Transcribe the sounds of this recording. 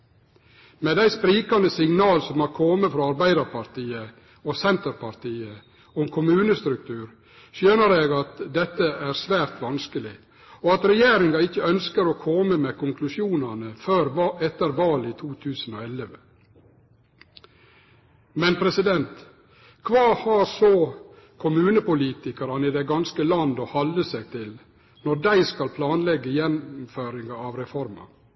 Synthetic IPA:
meːd̪æɪspɾiːkɑnd̪əsɪŋnɑːlsɔmhɑɾkʰɔməfɾɑːɑɾbæɪd̪ɑɾpʰɑɾt̪ʰiːə | osɛnt̪əɾpɑɾt̪ʰiːə | ɔŋkʰʊmʉːnəst̪ɾʉk̚t̪ʰʉːɾ | ʃjøːnəɾeːɡɑt̪d̪ɛt̪ːəæːɾsʋæːɾt̪ʋɑnskəlɪ | oːɑt̪ɾɛjeːɾɪŋɑɪçːəœnskəɾoːkʰɔməmeːkʊŋkʰlʉsjuːnɑnəføːɾʔɛt̪ːəɾʋɑːliːt̪ʰuːt̪ʰʉːsən̩oːɛləʋə | mɛnpʰɾɛsɪd̪ɛnt̪ | kʰʋɑːhɑːɾsoː | kʰʊmʉːnəpʊliːt̪ɪkɑɾɑnɪd̪ɛɡɑnskəlɑnd̪ɔhɑləsɛɡ̚t̪ʰɪl | nɔdæɪskɑlpʰlɑːnlɛɡːəjɛnmføːɾɪŋɡɑɑʋɾɛfɔɾmɑ̰

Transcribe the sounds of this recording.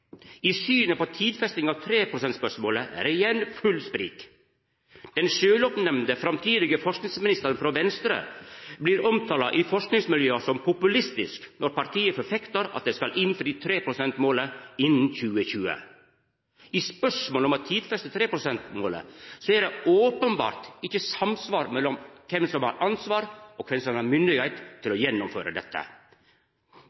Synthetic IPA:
isyːnəpɔt̪ʰiːd̪fɛst̪ɪŋɑːʋt̪ʰɾeːpʰɾʊsɛnt̪spœʂmoːləʔæ̰ɾɪjɛnfʉlspɾḭːk | d̪̥ɛnʃøːlɔpnɛmnd̪əfɾɑmt̪ʰiːd̪ɪɡəfɔʂknɪŋsmɪnɪst̪əɾənfɾɔʋɛnst̪ɾə̰bliːɾɔmt̪ʰɑːlɑʔifɔʂknɪŋsmɪljøːsɔmpʰʊpʉlɪst̪ɪsknɔɾpɑɾʈ̪ʰiːəfɔɾfɛkt̪əɾɑ̰t̪̚d̪ɛskɑlɪnfɾiːt̪ʰɾeːpʰɾʊsɛnt̪moːləɪnn̩çʉːəçʉːə̰ | ʔispœʂmoːlɔmɑt̪ʰːiːd̪fɾɛst̪ət̪ʰɾeːpɾʊsɛnt̪moːlə̰sɔɛɖɛoːpənbɑ̰ːɾt̪ɪçəsɑmsʋɑːɾmɛlːɔmkʰɛmsɔmhɑ̰ɾɑnsʋɑːɾɔkʰʋɛmsɔmɑmʏnd̪ɪɡhɛɪt̪ʰːɪlɔjɛnːʊmfø̰ːɾə̰d̪ɛt̪ʰːə̰

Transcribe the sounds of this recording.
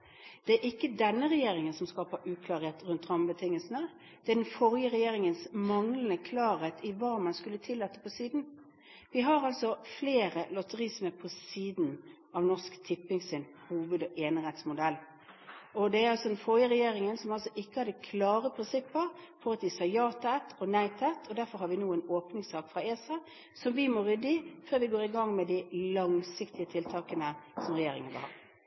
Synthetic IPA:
d̪̥ɛæɾʔɪkːəd̪ɛnːəʁɛjeːɾɪŋənsɔmskɑːpəɾʔʉːkʰlɑːɾheːt̪ɾʉnt̪ʁɑmbət̪ʰɪŋːəlsn̩ə | d̪̥ɛæd̪ɛnfɔɾjəɾɛjeːɾɪŋənsmɑŋlənəkʰlɑːɾheːt̪ʰɪʋɑːmɑnskʉlːət̪ʰɪlːɑt̪ːə̥pʰɔsiːd̪n | ʋɪɦɑɾɑlsɔfleːɾəlɔt̪əʁisməpʰɔsiːd̪n | ɑʋnɔʂkt̪ʰɪpːɪŋsɪn | huːʋʉd̪ɔʔeːnɪhɛt̪smʊd̪ɛlː | ɔd̪ɛæɾɑlsɔd̪ɛnfojəɾɛjeːɾɪŋənsɔmɑlsɔʔɪkːəhɑɾd̪ɛkʰlɑːɾəpʰɾɪnsɪpːəɾfɔɾət̪ɪsɑjɑːt̪ɑɛt̪ʰːɔnæɪt̪ʰɛt̪ʰɔd̪æɾfɔɾhɑɾʋɪnuːɛnoːpnɪŋsɑːkfɾɑeːsɑ | sɔmʋɪmɔːɾʏd̪ːɪføːɾʋɪɡoːɾɪɡɑŋmɛd̪ɪlɑŋsɪkt̪ɪət̪ʰɪlt̪ʰɑːkənəsɔmʁɛjeːɾɪŋənʋə̰hɑ̰

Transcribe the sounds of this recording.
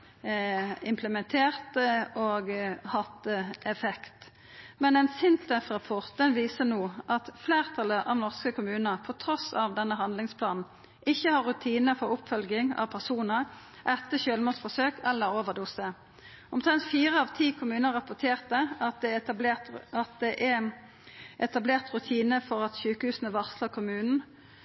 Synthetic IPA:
ɪmpʰləmɛnt̪ʰeːʁt̪əʔoːɡhɑt̪əɛfɛkt̪ | mɛnɛnsɪnt̪ɛfʁɑpʰɔʁt̪̚d̪ɛnʋiːsənoːʔɑt̪fleːʁt̪ʰɑləʔɑʋnɔʁskəkʊmʉːnəʁpʰɔt̪ʰɾɔsɑʋd̪ɛnːəɦɑnd̪lɪŋspʰlɑːnn̩ | ʔɪçːəhɑʁːʉt̪ʰiːnəfɔʁʊpfœlɡɪŋɑ̰ʋpʰæʁsuːnəʁ | ʔɛt̪ːəɕøːlmuːsfɔsøːkɛlːəɾoːʋəʁd̪uːsə | ɔmt̪ʰʁɛnt̪fiːʁəɑːʋt̪ʰiːkʰʊmʉːnəʁɑpʊt̪ʰeːʁt̪əɑt̪̚d̪ɛ | ɑt̪̚d̪ɛʔæ | ʔɛt̪ɑbleːʁt̪ʁʉt̪ʰiːnəfɔʁɑt̪ɕʉːkəhʉːsn̩əʋɑʁsləkʰʊmʉːnn̩

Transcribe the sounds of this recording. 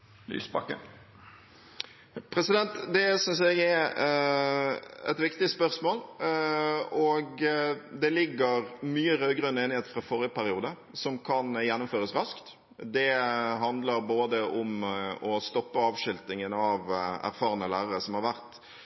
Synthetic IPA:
ly̰ːsbɑkːə̰n | pʰɾɛsɪd̪ɛnt̪d̪ɛsʏnsɛɡɛ | ɛ̰t̪ʋɪkt̪ɪspœɾsmoːl | ɔɡd̪ɛlɪɡːəɾmyːəɾœʏɡɾœnəeːnɪheːt̪fɾɑfɔɾɪjəpæɾɪuːd̪ə | sɔmkʰɑnjɛnːʊmføːɾəsɾɑskt̪ | d̪ɛɦɑnd̪ləɾboːd̪əʔɔmɔst̪ɔpːəɑːʋʃʏlt̪ɪŋənɑʋæ̰ɾfɑːʁənəlæːɾəɾəsɔmhɑɾʋæɾt̪

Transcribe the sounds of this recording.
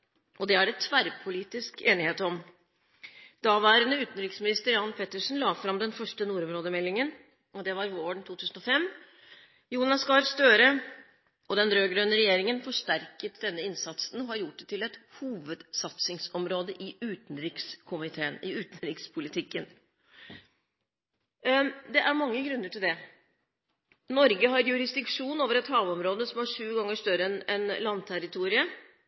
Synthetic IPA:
ʔɔd̪ɛæɾɛt̪ʰʋæɾpʰʊliːt̪ɪskeːnɪheːt̪ɔm | d̪̥ɑːʋæːɾənəʉːt̪n̩ɾɪksmɪnɪst̪əɾjɑnpʰɛt̪ːəʂn̩lɑːfɾɑmd̪ɛnfœʂʈənuːɾɔmɾoːd̪əmɛlːɪŋən | ɔd̪ɛʋɑɾʋoːɳt̪ʰuːt̪ʰʉːsən̩ɔfɛmː | juːnɑskɑɾst̪øːɾə | ɔd̪ɛnɾøːɡɾøːnəɾɛjeːɾɪŋənfɔʂʈæɾkət̪d̪ɛnːəɪnsɑt̪sn̩ɔhɑɾjʊʈ̚dɛt̪ʰɪlɛt̪huːʋəd̪̥sɑt̪sɪŋsɔmɾoːd̪əʔɪʉːt̪n̩ɾɪkskʰʊmɪt̪ʰeːənɪʉːt̪nɾɪkspʰʊlɪt̪ʰɪkːən | d̪ɛʔæɾmɑŋːəɡɾʉnːəʈʰɪld̪ɛ | nɔɾɡəɦɑɾjʉɾɪsd̪ɪkʂuːnoːʋəɾɛt̪hɑːʋɔmɾoːd̪əsɔmæʂʉːɡɑŋːəʂt̪œɾəɛnɛnlɑnt̪ʰæɾɪt̪ʰuːɾɪə

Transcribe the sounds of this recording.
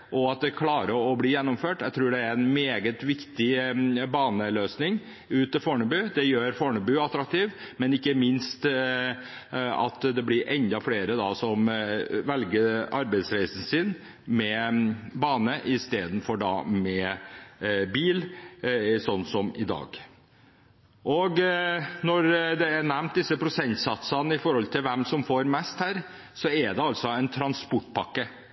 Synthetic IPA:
ʔɔɑt̪̚d̪ɛkʰlɑːɾəɾɔbliːjɛnːɔmføːʈjæɪɡt̪ʰɾuːɖɛæɾɛnmeːɡət̪ʋɪkt̪ɪbɑːnəløːsnɪŋ | ʉːt̪əfoːɳəbʉːd̪ɛjøːɾfoːɳəbʉːɑt̪ːɾɑk̚t̪ʰiːʋ | mɛnɪkːəmɪnst̪ | ɑ̰t̪d̪ɛblɪɾʔɛnd̪ɑfleːɾəd̪ɑsɔmʋɛlɡəɾɑɾbæɪsɾæɪsən̩sɪn | mɛbɑːnəʔɪst̪eːd̪n̩fɔɖɑ̰mɛ | biːl | sɔnːsɔmɪd̪ɑ̰ːɡ | ʔɔɡnɔɾd̪ɛænæmnt̪̚d̪ɪsːəpʰɾʊsɛnt̪sɑt̪sənəɪfɔɾhɔlt̪ʰɪlʋɛmsɔmfoːɾmɛst̪hæːɾ | sɔɛd̪ɛɑlt̪sɔæɪnt̪ʰɾɑnspʊʈːpʰɑkːə

